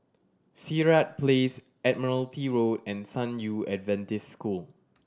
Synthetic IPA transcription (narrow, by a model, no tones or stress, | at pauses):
siɹat̚pʰles | ɛd̚mɔnəltiɹodɛ̃nsãnjuɛdvɛ̃ntɪsskul